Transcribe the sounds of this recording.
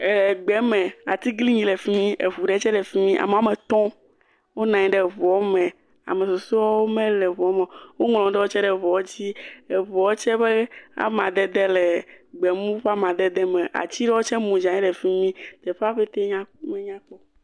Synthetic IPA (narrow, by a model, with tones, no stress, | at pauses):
le˨ɡ͡bɛ˦mɛ̃˨a˨t̪i˦ɡli˦ɲĩ˦le˨fi˦mĩ˦ʔe˨βu˨ɖe˦t͡ʃɛ˦ɖɛ˨fi˦mĩ˦ʔa̰˨me˨a˨˦me˨t̪ɔ̃˦ | wo˦nã˨ɲĩ˦ɖɛ˨vɔ˨˦mɛ̃˨ | a̰˨me˨so˨su˦a˦wo˦mẽ˦lɛ˨vɔ˨˦mẽ˨wo˦ŋlɔ̃˨ɖɛ˦wo˦t͡ʃɛ˦ɖɛ˨vɔ˨wd͡ʑi˦e˨vɔ˨wo˦t͡ʃɛ˦be˦a̰˦mã˨d̪e˨d̪ɛ˦lɛ˨ɡ͡bɛ˨mũ˦ɸa˦mã˨d̪ɛ˦d̪ɛ˦mẽ˨ʔa̰˨t͡ɕi˦ɖe˦wo˦t͡ʃɛ˦mũ˨d͡ʒã˨ɲɛ̃˦ɖɛ˨fi˦mĩ˦t̪e˨ɸa˦ɸe˦t̪e˦ɲã˦mẽ˦ɲã˦k͡pɔ˦